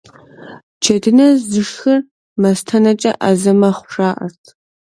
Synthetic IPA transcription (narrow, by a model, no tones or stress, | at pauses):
t͡ʃʰɐdɨnɐzɨʂxɐr | mɐstʰɐnɐt͡ʃʼɐʔɐzɐmɐχʷʂaːʔɐ̰rtʰ